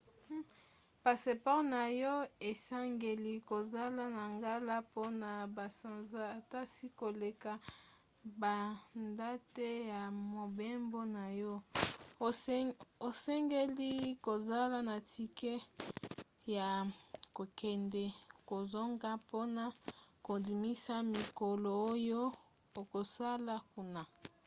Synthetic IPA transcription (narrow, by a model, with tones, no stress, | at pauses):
pa˨se˨pɔ˦ʁna˨jɔ˦e˨sa˦ŋɡe˨li˦ko˨za˦la˦na˨ŋɡa˦la˦po˦na˨ba˨sa˨nza˦a˨ta˦si˦ko˨le˨ka˨ | ba˨nda˦te˦ja˨mo˨be˦mbo˦na˨jɔ˦˨ | o˨sɛ˦ŋɡe˦li˦ko˨za˦la˦na˨ti˦kɛ˦ | ja˨ko˨kɛ˨ndɛ˨ko˨zo˦ŋɡa˦po˦na˨ko˨di˨mi˦sa˦mi˨ko˨lo˨o˦jo˦ | o˨ko˨sa˦la˦ku˦na˨